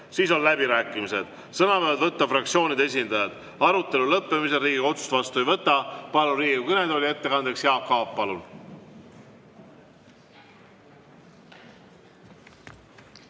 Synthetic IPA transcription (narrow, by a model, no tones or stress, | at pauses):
siːs̬o̞llæbiɾæːkːˑimise̞d̪̥ | sɤnɑpøːlt̪vɤt̪ːɑfrɑk̚t̪sio̞ːnid̪ee̞s̬ʲind̪̥ɑjɑd̪̥ | ɑɾut̪ːˑe̞lulɤpːe̞mise̞ɾiːɡio̞t̪su̥st̪vɑst̪uejvɤt̪ːˑɑpɑluɾiːɡukɤne̞d̪o̞lʲie̞t̪ːe̞kɑnd̪e̞ksjeɑp̚kɑːppɑlun